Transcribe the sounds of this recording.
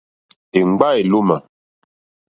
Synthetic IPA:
e˨ŋ͡mɡ͡ba˦e˨lo˦ma˨

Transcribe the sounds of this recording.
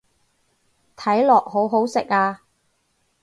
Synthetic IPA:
t̪ʰɐ˨˥jlɔː˨k̚hɦo˨˥wɦo˨˥wsɪ˨k̚aː˧

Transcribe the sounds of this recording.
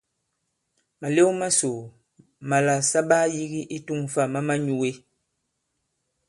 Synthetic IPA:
ma˨le˦wma˦so˨ | ma˨la˨sa˦baː˦ji˦ɣi˦ʔi˦tu˦ŋfa˦˨ma˦ma˦ɲu˦we˦

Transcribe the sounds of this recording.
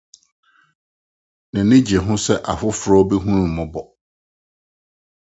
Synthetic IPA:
nã˨nɪ̃˦d͡ʑɛ˨ɦʊ̃˦sɛ˦ʔa˨fʊ˦fʊ˨ɾɔ˦bɛ˦ɦũ˦ɾũ˨mʊ̃˨bɔ˨

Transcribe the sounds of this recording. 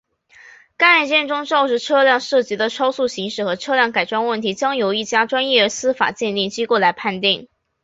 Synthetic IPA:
ka˥˧a˥˩nt͡ɕjɛ˥˧nʈ͡ʂʊ˥ŋʈ͡ʂɑ˥˧ʊʈ͡ʂɻ̩˧˥ʈ͡ʂʰɤ˥ljɑ˥˧ŋʂɤ˥˩t͡ɕi˧˥d̪ə˧ʈ͡ʂʰɑ˥ʊsu˥˩ɕi˧˥ŋʂɻ̩˥˩xɤ˧˥ʈ͡ʂʰɤ˥ljɑ˥˩ŋka˨˩ɪʈ͡ʂwa˥nwə˥˩nt̪ʰi˧˥t͡ɕjɑ˥ŋjo˧˥ʊi˥˩t͡ɕja˥ʈ͡ʂwa˥njɛ˥˩ə˧˥sɹ̩˥fa̰˨˩t͡ɕjɛ˥˧nt̪i˥˩ŋt͡ɕi˥ko˥˩ʊla˧˥ɪpʰa˥˧nt̪i˥˩ŋ

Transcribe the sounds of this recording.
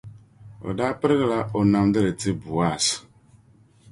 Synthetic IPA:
o̰˨da˦pɪ˦ɾɣla˦ʔo˨na˨m˦dɪ˦ɾe˨ti˦bu˨a˦˨s

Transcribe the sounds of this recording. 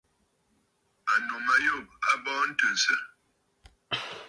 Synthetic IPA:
a˨no˨ma˨jo˦˨b̚a˦bɔː˦n̩˦tə˨n̩˨sə˦

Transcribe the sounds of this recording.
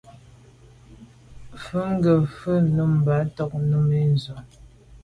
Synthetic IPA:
fʉ˦ŋ̩˦ɡə˨fə˦nu˦m̩˨ba˨˦tɔ˦k̚nu˦me˦n˨zɔ˨

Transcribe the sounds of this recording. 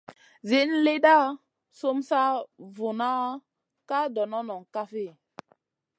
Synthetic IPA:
ze˨˦nle˦da˦ | so˦msa˦vo˨na˦ | ka˦dɔ˨nɔ˦nɔ˨ŋka˦fe˦˨

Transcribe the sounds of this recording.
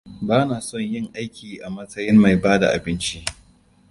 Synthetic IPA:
baː˦naː˨sɔ˦˨ɲjɪ˦ŋʔa˦jkʲiː˨ʔa˨mɐ˦sɐ˦jɪ˦mːa˨jbaː˦da̰˨ʔa̰˨bɪ˦nt͡ʃi˦ʔ

